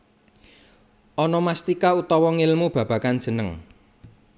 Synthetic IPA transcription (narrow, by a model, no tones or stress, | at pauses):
ʔɔnɔmast̪ikaut̪ɔwɔŋɪlmub̥ä̤b̥ä̤kan̥d͡ʒ̥ə̤nəŋ